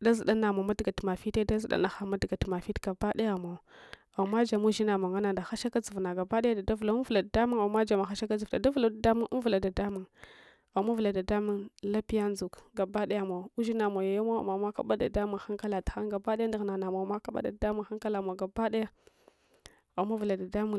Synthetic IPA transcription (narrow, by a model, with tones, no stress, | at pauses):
da˦zi˨ɗa˦na˨ma˨ma˦dɡa˨tma˨fi˦te˦da˦zi˨ɗa̰˦na˨xa˨ma˦dɡa˨tma˨fi˦tɡ̥a˨ba˦ɗa˦ja˨ma˨ | a˨mːa˦d͡ʒa˨mu˦ʒi˦na˨ma˨ŋa˦na˨nda˨xa˦ʃa˦ka˦d͡zu˨vna˨ɡa˨ba˦ɗa˦ja˦da˨da˦vla˨u˦vu˨la˨da˨da˦mu˦ŋa˨ma˦d͡ʒa˨ma˨xa˦ʃa˦ka˦d͡zi˨vda˨da˦vu˨la˨da˨da˦mu˦ʔu˦vu˨la˨da˨da˦mu˨ŋ | a˨ma˦vu˨la˨da˨da˦mu˦ŋla˦pi˦ja˦n˦d͡zu˨kɡa˨ba˦ɗa˦ja˨ma˨u˦ʒi˦na˨ma˨ja˨ja˦ma˦a̰˨ma˨ma˦ka̰˦ba˦da˨da˦mu˨ŋxa˦ŋka˦la˨ta˨xa˦ŋɡa˨ba˦da˦a˦nda˨ɣna˨na˨ma˨ma˦ka˦ɓa̰˦da̰˨da˨da˦mu˦ŋxa˦ŋka˦la˨ma˨ɡa˨ba˦da˦ja˦ | a˨˦ma˦vu˨la˨da˨da˦mu˦